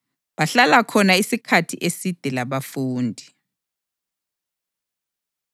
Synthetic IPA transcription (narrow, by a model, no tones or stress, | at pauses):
βaɬalakʰɔnaisikʰatʰḭʔesid̥ʱɛlaβafuːndʱi